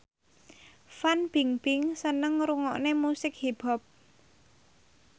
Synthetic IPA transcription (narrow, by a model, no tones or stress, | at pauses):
fanb̥iŋb̥ɪŋsənəŋɾuŋɔʔnemusɪk̚hib̥ɔ̤p̚